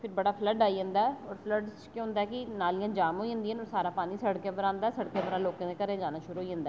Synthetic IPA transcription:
pʰɪɾbəɽaːpʰləɖaːiːɦə̃nd̪aːɛɔːɾpʰləɖt͡ʃkjõːɦʊ̃nd̪aːɛkɪnaːliːãːd͡ʒaːmɦoːiːɦə̃nd̪iːənɔːɾsaːɾãːpaːniːsəɽkẽːbəɾãːnd̪aːɛːsəɽkẽːbəɾãːloːkãːd̪eːkəɾẽd͡ʒaːnaːʃʊɾuːɦoːiːɦə̃nd̪aː

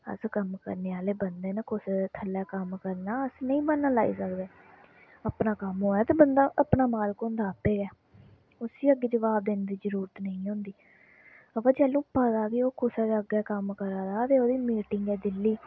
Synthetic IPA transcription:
ə̰skəmkə̰ɾneːaːleːbənd̪eːnəkʰʊsɛːt̪ʰəlːɛːkəmkəɾnaːəsnəĩːmənːãːlaːḭːsəkd̪eː | əpnaːkəmɦoːɛːt̪eːbənd̪aːʔəpnaːmaːlkoːnd̪aːəpːeːɡɛː | ʊsiːəɡːeːd͡ʒəʋaːb̚d̪eːnd̪iːd͡ʒəɾuːɾət̪nəĩːɦõːnd̪iː | əʋãːd͡ʒɛːlũːpaːd̪aːkioːkʰʊsɛːd̪əɡɛːkəmkəɾaːd̪aːt̪eːoːd̪iːmiːʈɪŋɡɛːd̪ɪlːiː

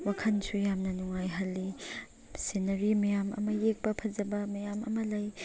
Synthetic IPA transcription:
wakʰɐnsujamnɐnuŋajɦɐlːi | senɐɾimɐjamɐ̰mɐjek̚bɐpʰɐzɐbɐmɐjamɐ̰mɐlɐj

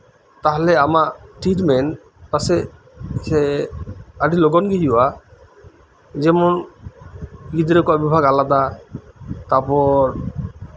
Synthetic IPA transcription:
t̪aɦɔlɛamaʈiʈmɛn | pasɛ | se | aɖilɔɡɔnɡiɦiwa | d͡ʒɛmɔn | ɡid̪ɾekɔabibʱaɡalad̪a | t̪apɔɾ

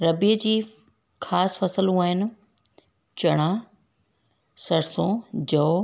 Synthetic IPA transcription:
ɾɐbiːəd͡ʑiː | xʰaːsfɐsəlũaːɦɪnɪ̆ | t͡ɕɐɽ̃ãː | sɐɽsõːd͡ʑɐ

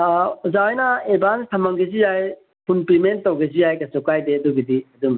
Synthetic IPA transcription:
uzawajnɐebanstʰɐmɐŋɡezijaj | pʰunpimentːawɡezijajkɐsɔkajdeɐduɡidiɐdum

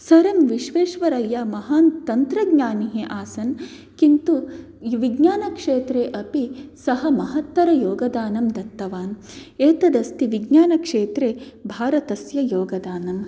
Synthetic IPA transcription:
sɐɾɐmʋiʃʋeːʃʋɐɾɐjːaːmɐɦaːnt̪ɐnt̪ɾɐɡɲaːniɦeʔaːsɐn | kint̪u | ʋiɡɲaːnɐkʂeːt̪ɾeːʔɐpisɐɦɐmɐɦɐt̪ːɐɾɐjoːɡɐd̪aːnɐmd̪ɐt̪ːɐʋaːn | eːt̪ɐd̪ɐst̪iʋiɡɲaːnɐkʂeːt̪ɾeːbʱaːɾɐt̪ɐsjɐjoːɡɐd̪aːnɐm

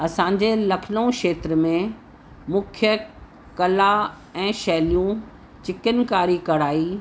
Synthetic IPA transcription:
ɐsãːɲ̆d͡ʑelɐkʰnõʃeːt̪ɾəmẽ | mʊkʰjə | kɐla | ɛ̃ːʃɛɦlijũ | t͡ɕɪkənkaːɾikɐɽaːiː

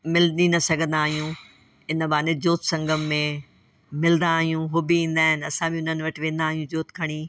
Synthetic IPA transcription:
mɪlinɐsɐɡʱə̃nd̪aːɦijũ | ɪnə̆baːned͡ʑoːt̪sɐ̃ŋɡʱəmːẽ | mɪlənd̪aːɦijũɦʊbiĩːn̆d̪aːɦɪnɪɐsãbʱiʊnənɪ̆ʋɐʈɪʋẽːnd̪aːɦijũd͡ʑoːt̪kʰɐɽ̃iː

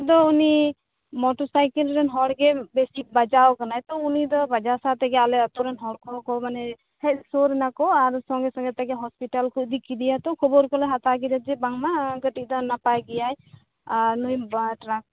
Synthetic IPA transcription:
d̪ɔuni | mɔʈɔsajkilɾɛnɦɔɽɡɛbesibad͡ʒawkanajt̪ɔunid̪ɔbad͡ʒasat̪ɛɡɛalɛɔt̪ɔɾɛnɦɔɽkʰɔkɔmanɛ | hɛsoɾɛnakɔaɾsɔŋɡesɔ̃ŋɡɛt̪ɛɡɛɦɔspiʈalkud̪ikid̪ijat̪ɔ̃kʰɔbɔɾkɔlɔɦat̪aɡid̪ad͡ʒɛbaŋmaɡəʈik̚d̪ɔnapajɡijaj | aɾnujbʈɾak̚

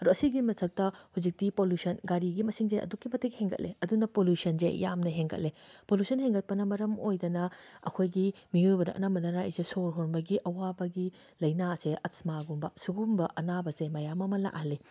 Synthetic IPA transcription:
ɐɾuɐsiɡimɐtʰɐk̚tɐhuzik̚tipoljusɐnɡaɾiɡimɐsiŋzeʔɐ̰dukːimɐtʰːekheŋɡɐ̰t̚lʔḛɐdunɐpoljusɐnzḛja̰mnɐɦeŋɡɐ̰t̚lepoljusɐnheŋɡɐt̚pɐnɐmɐɾɐmojdɐnɐɐ̰kʰojɡimiojbɐdɐ̰ʔɐ̰nɐmbɐdɐnaḭsesoɾɦonbɐɡiʔɐwabɐɡi | lɐjnaseʔɐsmaɡumbɐ̰suɡumbɐʔɐnabɐsemɐjamɐmɐla̰khɐlːi

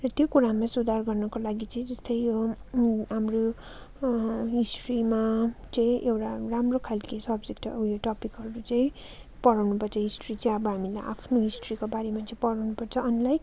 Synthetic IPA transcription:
rʌt̪jokuɾamasud̪ʱarɡʌrnʌkolaɡit͡sʌĩd͡zʌst̪ʌjjo | ɦamro | ɦisʈrimat͡sʌĩʔewʈaramrokʰalkesʌbd͡zekʈeʈʌpikɦʌɾut͡sʌĩ | pʌɽawnupʌrt͡sʰʌɦisʈrit͡sʌĩʌbʌɦamila̰jʔa̰pʰnoɦisʈrikobaɾemat͡sʌĩpʌɽawnupʌrt͡sʰʌʌnlaj

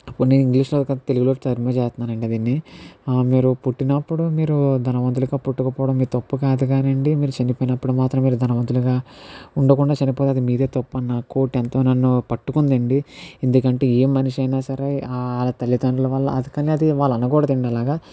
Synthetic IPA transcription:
ɐpːuniːiŋɡliːʂloːkt̪e̞luɡuloːkit̪ɐɾmet͡ʃɛːst̪unːaːɾɐɳɖiɐd̪iːnːi | miːɾupuʈːinɐpːuɽumiːɾud̪ʱɐnɐʋɐnt̪uluɡaːpuʈːukɐpɔːɽɐmːiːt̪ɐpːukaːd̪uɡaːnɐɳɖimiːɾut͡ʃɐnipoːjinɐpːuɽumaːt̪ɾɐmːiːɾud̪ʱɐnɐʋɐnt̪̬uluɡaːuɳɖɐkuɳɖaːt͡ʃɐnipo̞ːt̪eɐd̪imiːɾe̞ːt̪ɐpːuɐnːako̞ːʈːɛnt̪oːnɐnːupɐʈːukund̪ɐɳɖiend̪ukɐɳʈe̞ːeːmːɐniʂɐjnaːsɐɾeːlat̪ɐlːit̪ɐɳɖulɐʋɐlːɐ̰ɐd̪ukɐniɐd̪iʋaːlːɐnɐɡɔːɽɐd̪iɳɖɐlaːɡaː

